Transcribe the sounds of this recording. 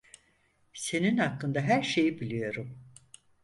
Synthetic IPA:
se̞ninhakːɯnd̪aɦæɾʃe̞jibilʲijo̞ɾum

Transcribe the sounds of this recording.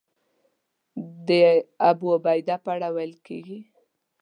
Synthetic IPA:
d̪əabuobajd̪apaɽawalkeɡi

